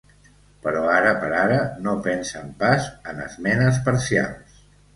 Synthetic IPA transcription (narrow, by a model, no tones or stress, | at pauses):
pəɾɔaɾəpəɾaɾənopɛnsəmpazənə̰zmɛnəs̬pəɾsia̰lˠs